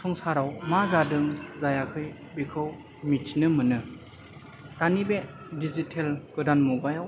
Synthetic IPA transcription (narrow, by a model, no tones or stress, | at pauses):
sʰɔŋsaɾawmazadɯŋzajakʰɯj | bikʰɯw | mitʰnɯmɯnɯ | tanibe | dizitʰelkɯdanmɔɡajaw